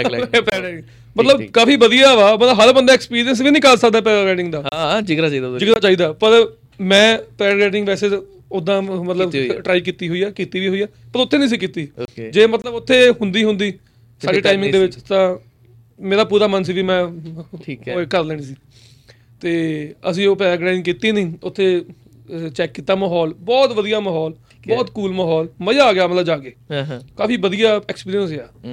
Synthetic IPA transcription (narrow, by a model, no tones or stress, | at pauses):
pː | mət̪ləbkaːfiːbəd̪ijaːʋaːbəaɦəɾbənd̪aːkspiːɾijəns̬ʋiːnĩːkəɾsəkd̪aɛːpɛːɾɡɛːʈɪŋɡd̪aːd͡ʒɪkɾat͡ʃaiːd̪ad͡ʒɪkɾaːt͡ʃaːiːd̪aːpəɾ | mɛ̃ːpɛːɾɡɛːʈɪŋɡʋɛːseː | ʊd̪ãːmət̪ləbʈɾaːiːk̬iːt̪iːɦoːiːaːkiːt̪iːʋiːɦoːaː | pəɾʊt̪ʰːẽːnĩːs̬iːkiːt̪iːod͡ʒeːmət̪ləbʊt̪ʰːeːɦʊnd̪iːɦʊ̃nd̪iː | saːɽeːʈaːɪmɪ̃ŋd̪eːʋɪt͡ʃt̪ãː | meːɾaːpuːɾaːməns̬iːʋiːmɛ̃ːiːkəɾlɛːɽ̃iːsiː | t̪eːəs̬ĩːoːpɛːɡɾaːɪnk̬iːt̪iːnĩːʊt̪ʰːeː | t͡ʃɛːkːiːt̪ːaːmaːɦɔːlbɔːt̪ʋəd̪ijaːmaːɦɔːl | bɔːt̪kuːlmaːɦɔːlməjaːɡɪaːmət̪ləbd͡ʒaːkeːkaːfiːʋəd̪ijaːɛːkspiːɾiənsaː